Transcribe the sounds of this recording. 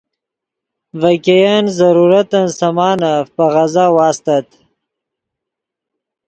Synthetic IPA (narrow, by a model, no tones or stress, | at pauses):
vakejanzaɾuɾat̪ansamɑːnafpaɣazaːwɑːst̪at̪